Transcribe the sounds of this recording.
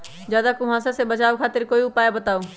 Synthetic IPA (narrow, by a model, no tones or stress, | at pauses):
d͡ʒjaːd̪akʊɦãːsasebət͡ʃaːokʰaːt̪ɪɾkoːiʊpaːjabət̪aːoː